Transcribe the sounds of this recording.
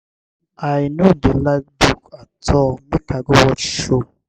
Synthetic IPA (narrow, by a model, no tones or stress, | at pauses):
ajnudelak̚bukatʰɔmekaɡowɔtʃo